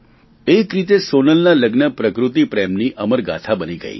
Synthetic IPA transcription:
ekɾit̪esonəlnaləɡnəpɾəkɾut̪̬ipɾɛmniʔʔəməɾɡa̰t̪ʰabəniɡə̰ḭ

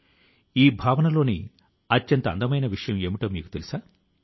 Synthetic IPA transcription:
iːbʱaːʋɐnɐlo̞ːni | ɐtːjɐnt̪ɐ̰nd̪ɐmɐjnɐʋiʂɐjɐmeːmiʈɐːmḭːku̥t̪elusaː

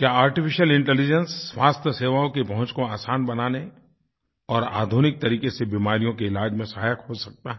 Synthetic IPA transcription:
kjaːaːɾʈɪfʰɪʃəlɪ̃ɳʈɛlɪd͡ʒənsːʋaːst̪ʰəseːʋaːõkipɐɦʊ̃t͡ʃkoaːsaːnbɐnaːne | ɔːɾa̰ːd̪ʱunɪk̚t̪ɐɾiːkesebiːmaːɾijõkeɪlaːd͡ʒmẽsɐɦaːjəkɦosɐk̚t̪aɦɛ

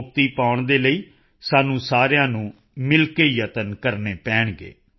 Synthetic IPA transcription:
k̚t̪iːpaːʊɳd̪eːləiː | saːnũːsaːɾjãːnũː | mɪlkeːjət̪ənkəɾneːpɛ̃ːɳɡḛː

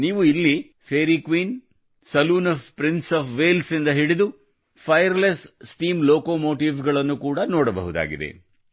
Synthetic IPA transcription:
niːʋuilːi | pʰeːɾiːkʋiːn | sɐluːnɐpɾinsɐːpʰʋeːlsind̪ɐɦiɽid̪u | pʰɐjɐɾlessʈiːmloːkoːmoːʈiːʋɡɐɭɐnːukuːɽɐnɔːɽɐbɐ̰ɦud̪a̰ːɡḭd̪ḛ

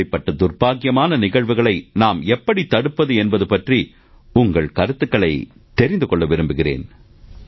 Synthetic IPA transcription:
ɐɪpːɐʈːɐd̪ʊrbaːkɪjɐmaːnɐnɪɣɐɻʋɯɣɐɭɐɪnaːmɛpːɐɽit̪ːɐɽɯpːɐðɯɛnbɐðɯpɐʈri | ʊŋɡɐɭkɐɾɯt̪ːɯkːɐɭɐɪ | t̪ɛɾɪnd̪ɯkɔɭːɐʋɪɾɯmbɯɣɪrḛːn

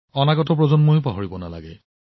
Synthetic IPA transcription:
ɔnaɡɔtɔp̬ɹɔzɔnmojpaɦoɹibɔnala̰ɡɛ

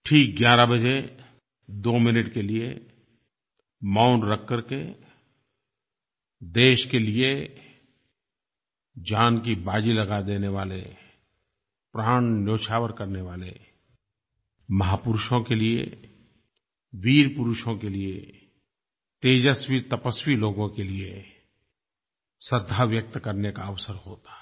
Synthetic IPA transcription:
ʈʰiːk̚ɡjaːɾabəd͡ʒe | d̪oːmɪnəʈkeliḛ | maːʊɳʈɾəkːəɾke | d̪eːʃkelie | d͡ʒaːnk̬ibaːd͡ʒilɐɡad̪eːneʋaːlḛ | pɾaːɳ̃njoːʃʰaːʋəɾkəɾneʋaːlḛ | mɐɦaːpʊɾʃõkeliḛ | ʋiːɾpʊɾʊʃõkelie | t̪eːd͡ʒəswit̪əpəswiloːɡõkelie | səd̪ʱːaʋjək̚t̪kəɾnekaɐʋsəɾɦoːt̪ḁ

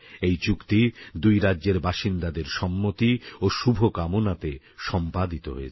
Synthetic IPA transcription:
ejt͡ɕukt̪id̪ujɾadːʑeɾbaʃind̪ad̪eɾʃɔmːot̪ioʃubʱokamonat̪e | ʃɔmpad̪it̪o̰ɦo̰e

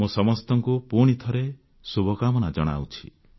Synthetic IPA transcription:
musɔmɔst̪ɔŋkupoɽ̃it̪ʰɔɾe | subʱɔkamɔnad͡ʒɔɽ̃a̰wt͡ʃʰi

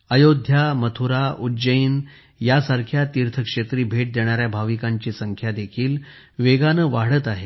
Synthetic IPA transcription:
əjod̪ʱjamət̪ʰuɾaud͡ʑəjin | jasaɾkʰjat̪iɾt̪ʰəkʂet̪ɾiːbʱeʈ̚d̪eɽ̃aɾjabʱaʋikaɲt͡ɕiːsəŋkʰjad̪ekʰiːl | ʋeɡanəʋaɽ̤ət̪aɦe

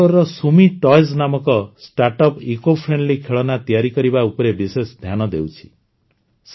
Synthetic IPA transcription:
ɔɾɔsumiʈɔjznamɔkɔsʈaɾʈɔpikopʰɾenɖlikʰeɭɔnat̪ijaɾikɔɾibaupɔɾebisesd̪ʱjanɔd̪ewt͡ʃʰi̥ | s

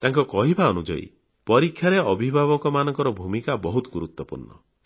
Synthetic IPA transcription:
t̪aŋkɔkɔɦibaɔnud͡ʒɔ̰ḭ | pɔɾikʰjaɾeɔbʱibʱaβɔkɔmanɔŋkɔɾɔbʱumikabɔɦut̪ɔɡuɾut̪wɔpṵɾnɔ̰

